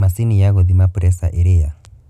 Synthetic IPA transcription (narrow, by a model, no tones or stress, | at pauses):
masinijaɣɔðimapuɾɛsa̰ʔeɾea